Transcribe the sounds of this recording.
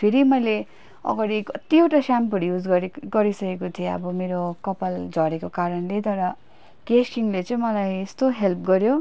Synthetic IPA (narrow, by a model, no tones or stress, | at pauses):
pʰeɾimʌjle | ʌ̰ɡaɽikʌt̪iowʈasampʌɽijud͡zɡɡʌɾisʌkekot̪ʰieʌ̰bʌmeɾokʌpald͡zʱʌɾekokaɾʌnlet̪ʌɾʌ | kesiŋlet͡sʌ̃ĩmʌlajest̪oɦelp̚ɡʌɾjo